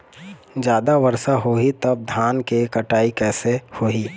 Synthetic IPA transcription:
d͡ʒjaːd̪aʋəɾsaɦoɦit̪ɐb̚d̪ʱaːnkekɐʈaːikɛːsehoːɦiː

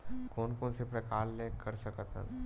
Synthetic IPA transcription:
koːnkoːnsepɾɐkaːllẽkəɾsəkət̪ə̰̃

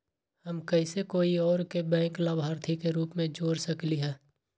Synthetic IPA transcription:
həmkɐɪsekoːiɔːɾkebɛ̃ːklaːbʱaːɾt̪ʰikeɾuːpmẽd͡ʒoːɾsəkliɦɛ̃ː

